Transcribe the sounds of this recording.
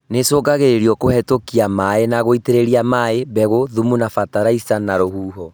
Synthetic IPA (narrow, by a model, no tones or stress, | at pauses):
nesoːɡaɣeɾeɾiɔkohɛtokiamaenaɣoiteɾeɾiamaeβɛɣoðumunafataɾaisanaɾohuːɦɔ